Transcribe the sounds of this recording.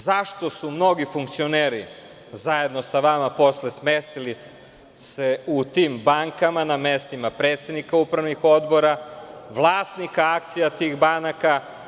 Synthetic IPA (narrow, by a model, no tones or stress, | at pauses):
zaʃt̪o̞sumno̞ɡifuŋk̚t̪sioneːɾi | zaje̞d̪no̞saʋamapo̞sle̞smest̪ilis | seut̪iːmbaŋkamanamest̪imapɾe̞ːt̪sed̪nikaupɾaʋnixo̞d̪bo̞ɾaʋlˠaːst̪nikaak̚t̪sijat̪iɣbanaka